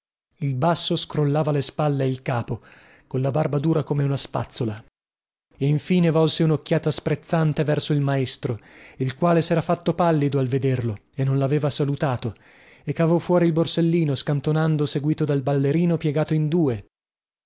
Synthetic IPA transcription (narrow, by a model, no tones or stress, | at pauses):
ilbasːoskɾolːaːvalespalːeilkaːpo | konlabarbad̪uːɾakomeunaspa̰t̪sːola | eiɱfiːnevɔlseunokːjaːt̪aspɾet̪sːant̪evɛrsoilmaest̪ɾoilkwaːlesɛːɾafat̪ːopalːid̪oalved̪erlo | enːonlaveːvasalut̪aːt̪o | ekːavɔfːwɔːɾilborselːiːnoskant̪onand̪oseɡwiːt̪od̪albalːeɾiːnopjɛɡaːt̪oind̪uːe